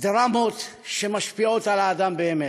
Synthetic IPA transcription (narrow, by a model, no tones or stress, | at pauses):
d̪ɾamo̞t̪ʃe̞maʃpio̞t̪alaːd̪ambeːme